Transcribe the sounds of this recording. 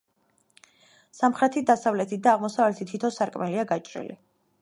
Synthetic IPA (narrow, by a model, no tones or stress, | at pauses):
samχɾɛt̪ʰid̪asavlɛt̪ʰit̪̚d̪aːʁmɔsavlɛt̪ʰit̪ʰit̪ʰɔsaɾkʼmɛliaɡat͡ʃʼɾḭlḭ